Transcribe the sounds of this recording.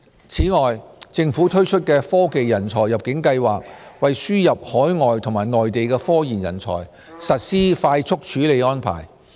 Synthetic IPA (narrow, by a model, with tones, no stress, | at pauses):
t͡sʰiː˨˥ŋɔː˨jt͡sɪ˧ŋfuː˨˥t̪ʰɵ˥ɥt͡ʃʰɵ˥t̚kɛː˧fɔː˥ke˨jːɐ˨˩nt͡sʰɔː˨˩jːɐ˨p̚kɪ˨˥ŋkɐ˧jwaː˨k̚wɐ˨jsyː˥jɐ˨p̚hɔː˨˥jŋɔː˨jt̪ʰʊ˨˩ŋmaː˨˩jnɔː˨jt̪e˨jkɛː˧fɔː˥jiː˨˩njɐ̰˨˩nt͡sʰɔ̰ː˨˩j | sɐ˨t̚siː˥faː˧jt͡ʃt͡sʰʊ˥k̚t͡ʃʰyː˨˥le˨˧jɔː˥npʰa̰ː˨˩j